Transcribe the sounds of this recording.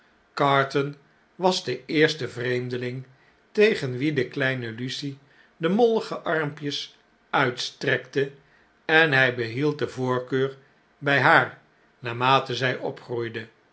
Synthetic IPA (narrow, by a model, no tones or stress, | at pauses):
kɑːɹtən | ʋɑzdəɪːɹstəvrejmdəlɪŋ | tejχənʋidəklɛjnəlysi | dəmolˠəχəʔɑɹmpjəs | œɥtstrɛktə | ɛnɦɛjbəɦilˠt̚dəvʊːɹkøːɹ | bɛjɦaːɹ | naːmaːtəzɛjʔɔpχrujdə